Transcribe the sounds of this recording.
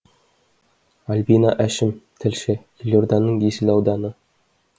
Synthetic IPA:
ɑlʲbinɑʔæʃɘmt̪ʰɘ̆lʃɘjilʲjord̪ɑnːɤɴjisɘlʲɑwd̪ɑnɤ

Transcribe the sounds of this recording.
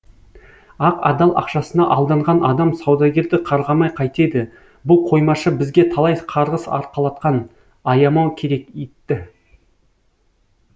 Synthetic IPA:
ɑqɑ̰d̪ɑlˠʔɑ̰qʃɑsənɑʔɑlˠd̪ɑɴʁɑnʔɑd̪ɑmsɑwd̪ɑɡʲe̞ɾd̪ɪqʰɑɾʁɑmɑjqʰɑjt̪e̞d̪ɪ | bʊlˠqʰo̞jmɑʃəbɪzɡʲe̞t̪ʰɑlˠɑjqʰɑɾʁəsɑ̰ɾqɑlˠɑt̪̚qɑn | ɑjɑmɑwkʲʰe̞ɾe̞ket̪ːɪ

